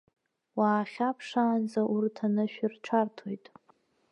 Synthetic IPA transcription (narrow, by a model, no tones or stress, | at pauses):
waːχʲapʰʂaːnd͡zaʔurtʰanɨʃᶣɪrʈ͡ʂʰartʰojtʼ